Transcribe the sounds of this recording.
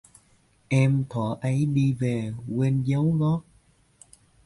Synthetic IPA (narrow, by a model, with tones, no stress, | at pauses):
ʔɛ˧mt̪ʰɔ˧˩˦ʔə˨˦jɗi˧ve˨˩kwe˧nzə˨˦wɣɔ˦˥t̚